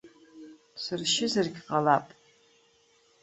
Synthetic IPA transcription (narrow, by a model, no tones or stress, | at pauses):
sɨrʃɪzarɡʲqʼalapʼ